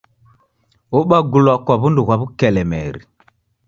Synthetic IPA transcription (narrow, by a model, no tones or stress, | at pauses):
oɓaɡulakʷaβunduɣʷabukɛlɛmɛ̰ɾḭ